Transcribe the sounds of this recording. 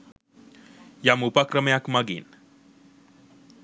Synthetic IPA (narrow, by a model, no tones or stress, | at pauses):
jamupakɾəmjakmaɡḭːn